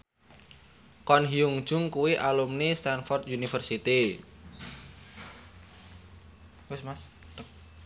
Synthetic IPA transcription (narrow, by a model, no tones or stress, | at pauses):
kɔnɦiuŋ̥ʒ̥ʊŋkuwiʔalumnest̪anfɔrt̪junifərsit̪i | wɪsmas